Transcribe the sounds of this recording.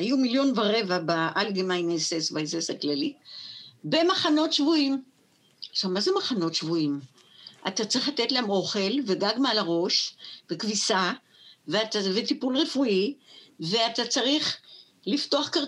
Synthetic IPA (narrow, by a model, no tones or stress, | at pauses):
ajumiljo̞nvaʁe̞vabaʔalɡemajnesesbaesesaklali | be̞maχano̞tʃvuim | ʃavmazemaχano̞tʃvuim | ʔatat͡sʁiχlatetlaamo̞χe̞lveɡaɡmealaʁo̞ʃvekvisa | veatavetipulʁe̞fuive̞atat͡saʁiχ | lifto̞aχkaʁ